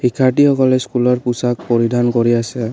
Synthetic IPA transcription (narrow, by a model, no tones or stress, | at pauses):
xikʰːaʈixɔkɔlɛskulɔɹpusak̚pɔɹidʱankɔɹiasɛ